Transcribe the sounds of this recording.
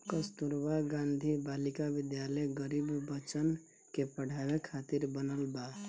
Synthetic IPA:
kəst̪uɾbaɡãnd̪ʱibalikabɪd̪jaleɡəɾibbət͡ʃən | kepəɽ̤ʱabekʰat̪iɾbənəlba

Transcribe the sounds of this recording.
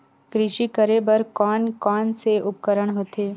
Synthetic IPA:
kɾɪʃikəɾebɐɾkɔːnkɔːnseʔʊp̚kəɾəɽ̃ɦoːt̪eː

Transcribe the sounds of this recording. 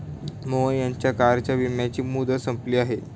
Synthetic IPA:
məʋəjaɲt͡ɕjakaɾt͡ɕjaʋimjat͡ɕiːmud̪ʱəsəmpliːaɦe

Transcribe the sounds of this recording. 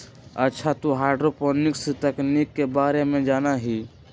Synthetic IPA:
ətːʃʰat̪oɦaːɖɾopɔːnɪkst̪əknikːebaːɾemẽd͡ʒaːnaɦiː

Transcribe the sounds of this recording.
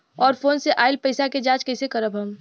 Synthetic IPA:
ɔːɾfoːnseʔaːɪlpəɪsaked͡ʒaːd͡ʒkɛːsekəɾəbɦəm

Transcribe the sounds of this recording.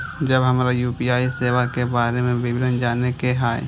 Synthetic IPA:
d͡ʒəbɦəmɾajuːpijaːiseːʋakebaːɾemẽbɪbɪɾənd͡ʒaːnekeɦaːḛ

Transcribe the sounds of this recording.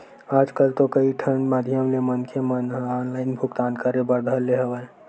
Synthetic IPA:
aːd͡ʒkəlt̪okəiʈʰənmad̪ʱjəmlemənkʰemənɦɔnlaːɪnbʱʊkt̪aːnkəɾebəɾd̪ʱəlːeɦəʋə

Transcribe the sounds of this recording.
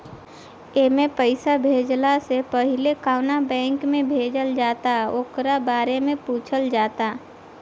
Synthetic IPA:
eːmẽpəɪsabʱeːd͡ʒlasepəɦɪlekaːnabɛ̃ːŋkmẽbʱeːd͡ʒəld͡ʒaːt̪aoːkɾabaːɾemẽpuːt͡ʃʰəld͡ʒaːt̪a

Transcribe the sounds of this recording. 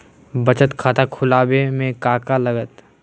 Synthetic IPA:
bɐt͡ʃət̪kʰaːt̪akʰʊlaːbemẽkaːkalɐɡət̪

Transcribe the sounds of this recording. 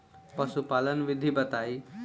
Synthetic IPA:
pəsupaːlənʋɪd̪ʱibət̪ai

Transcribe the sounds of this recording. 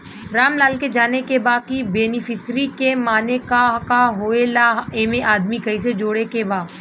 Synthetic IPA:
ɾaːmlaːlked͡ʒaːnekebaːkibeːnɪfʰɪsɾikemaːnekakaɦoːelaeːmeʔaːd̪mikɐised͡ʒoːɽekebaːd̪

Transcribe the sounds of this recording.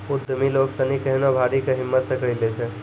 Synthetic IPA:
ʊd̪ʱːəmiloːksɐnikɐɦnobʱaːɽikeɦɪmːət̪sɐkɭilet͡ʃʰe

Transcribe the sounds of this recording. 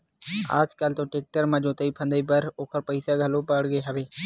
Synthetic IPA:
a̰ːd͡ʒkəlt̪õːʈeːk̚ʈəɾmə̃d͡ʒõːt̪eiːpʰə̃nd̪iːbəɾoːkʰəɾpəɪsaːɡʱəlõːpəɽɡeːɦəʋeː

